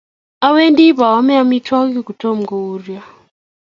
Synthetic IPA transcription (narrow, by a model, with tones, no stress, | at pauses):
a˦we˦ndi˦pa˨wa˦me˦a˦mi˦twa˦ki˦ku˨tɔ˦m̩˨ɡɔ˨u˦rja˦˨